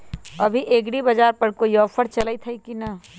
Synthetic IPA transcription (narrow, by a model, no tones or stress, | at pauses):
ɐbʱiʔeːɡɽibɐd͡ʒaːɾpɐɾkoijɔːfʰəɾt͡ʃɐləit̪ʰɐikinɐ